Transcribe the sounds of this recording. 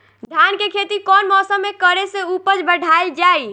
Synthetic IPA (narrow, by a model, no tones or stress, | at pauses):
d̪ʱjankekʰet̪ikɔnmɔsəmːekəɾeseupəd͡ʒbəɖʱaeld͡ʒai